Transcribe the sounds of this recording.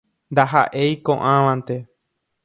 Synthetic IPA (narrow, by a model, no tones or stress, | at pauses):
nd̪aɦa̰ʔejkõ̰ʔãʋãnt̪e̞